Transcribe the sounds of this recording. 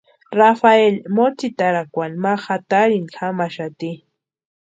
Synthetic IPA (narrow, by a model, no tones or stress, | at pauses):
ɾafaelmot͡sit̪aɾakʷanmaxat̪aɾinxamaʃat̪i